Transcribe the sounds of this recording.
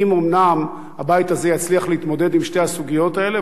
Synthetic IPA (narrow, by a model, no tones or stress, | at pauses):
imomnam | habajit̪azejat͡sliaχleit̪mo̞d̪e̞d̪imʃte̞hasuɡijo̞t̪ae̞le